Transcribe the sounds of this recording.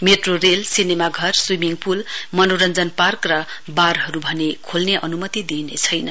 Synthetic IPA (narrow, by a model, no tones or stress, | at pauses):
meʈroɾelsinemaɡʱʌrswimiŋpulmʌnoɾʌnd͡zʌnparkrʌbarɦʌɾubʱʌnekʰolneʔʌ̰numʌt̪id̪inḛt͡sʰʌjnʌn